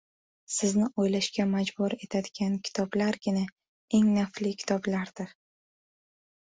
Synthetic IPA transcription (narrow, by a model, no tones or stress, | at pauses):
sɪznɪojlaʃkʲamad͡ʒbʊɾe̞t̪ʰad̪ɪɡʲankʲʰɪ̥t̪ʰɒblaɾɡʲɪna | e̞ŋnaflɪkʲʰɪ̥t̪ʰɒblaɾd̪̥ɪɾ